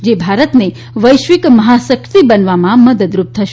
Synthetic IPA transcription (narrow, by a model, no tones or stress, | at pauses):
d͡ʒebʱaɾət̪ne | ʋəjʃʋikməɦasəkɾt̪ibənʋamãməd̪əd̪ɾup̚t̪ʰəʃ